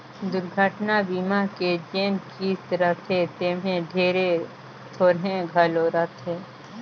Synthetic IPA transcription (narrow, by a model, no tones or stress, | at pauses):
d̪ʊɾɡʱəʈnabiːmaked͡ʒẽːnkʰiːsɾət̪ʰet̪eːmẽɖʱeːɾe | t̪ʰoːɾɦẽɡʱəloɾət̪ʰeː